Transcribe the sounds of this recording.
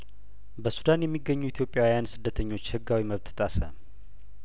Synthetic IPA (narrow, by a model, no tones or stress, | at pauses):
bəsud̪anjɛmːiɡːəɲːuit̪ʰjo̞pʼjawjansɨd̪ːət̪ʰəɲːo̞t͡ʃːhɨɡːawiməβt̪t̪ʼasə̰